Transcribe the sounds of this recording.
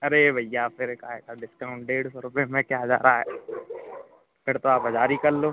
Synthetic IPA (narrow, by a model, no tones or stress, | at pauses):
ɐɾebʱɐjjapʰɪɾkaːɦekaɖɪskaːʊ̃ɳʈ̚ɖeːɽsɔɾʊpemẽkjad͡ʒa̰ːɾaaɦɛː | pʰɪɾt̪oaːpɐd͡ʒaːɾikɐɾloː